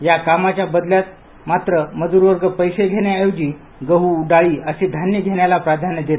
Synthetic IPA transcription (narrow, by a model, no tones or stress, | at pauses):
jakamat͡ɕjabəd̪ljat̪̚ | mat̪ɾəməd̪uːɾʋəɾɡəpəjseɡʱeɽ̃eajod͡ʑiː | ɡəɦuɖaɭiːəsed̪ʱanjəɡʱeɽjalapɾad̪ʱanəd̪et̪